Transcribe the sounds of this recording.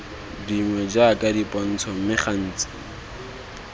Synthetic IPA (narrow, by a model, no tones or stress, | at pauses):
diŋwɛd͡ʒakʼadipʼan̩t͡sʰɔmɪχan̩ːt͡sɪ̥